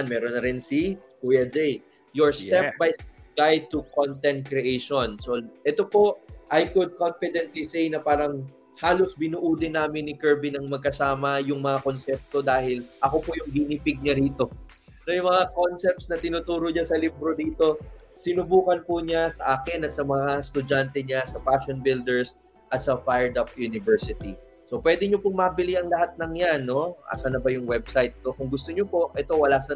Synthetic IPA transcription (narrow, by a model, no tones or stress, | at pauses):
nmɛːɾonːɐɾɪnsi | uɛd͡ʒɛj | joɹsɛp̚bajɡ̥ajd̪̚t̪ukont̪ɛnt̪̚kɾɛʔejʃonsoʔɛt̪opo̞ʔajkʊd̪̚konfɪd̪ɛnt̪lisejnɐpaːɾɐŋ | haːlo̞sbɪnuʔuːd̪ɪnːaːmɪnːɪkɛɹbinɐŋmɐɡ̚kɐsaːmɐjʊŋmɐŋako̞nsɛp̚t̪o̞d̪aːhɪlʔɐko̞pojʊŋɡɪnipɪɡ̚ɲɐɾiːt̪o̞ | nɐjʊŋmɐŋako̞nsɛp̚t̪snɐt̪ɪnuːt̪uːɾoɲasɐlɪbɾo̞d̪iːt̪o̞ | sɪnʊbuːkɐnpʊɲasɐʔaːkɪnɐt̪̚sɐmɐŋast̪ʊd͡ʒant̪ɛɲasɐpaʃonbɪld̪ɛɹs | ʔɐt̪sɐfajɛɹd̪ɐp̚junɪvɛɹsɪt̪i | so̞pwɛːd̪ɛɲo̞pʊŋmɐbɪliʔɐŋlɐɦat̪̚nɐŋjanːo̞ʔa̰ːsɐnɐbɐjʊŋwɛbsajt̪̚ːokʊŋɡʊst̪oɲopo̞ʔʔɛt̪o̞wɐlasɐ